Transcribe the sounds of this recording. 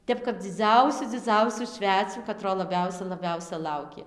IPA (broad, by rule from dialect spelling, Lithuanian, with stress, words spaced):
ˈtʲɛp kɐp d͡zʲɪˈd͡zɐʊsʲʊ d͡zʲɪˈd͡zɐʊsʲuː ˈʃʲʋʲæːt͡sʲuː kɐˈtroː lˠɐˈbʲɛʊsʲɛ lˠɐˈbʲɛʊsʲɛ ˈlˠɐʊkʲeː